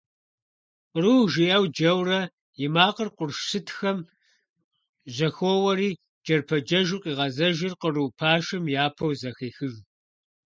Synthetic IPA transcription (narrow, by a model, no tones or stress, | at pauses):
qruwʒijɐwd͡ʒɐwrɐ | jɪmaːqərqʷʊrʃsɨtʰxɐm | ʑɐxʷowɐɾiː | d͡ʒɐrpʰɐd͡ʒɐʒuqiːʁɐzɐʒɪrqəruwpʰaːʃɨmjaːpʰɐwzɐxeːxɨʒ